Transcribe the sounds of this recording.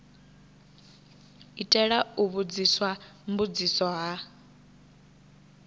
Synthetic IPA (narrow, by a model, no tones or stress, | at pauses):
itʼɛɺauβud͡ziswambud͡zisɔɦa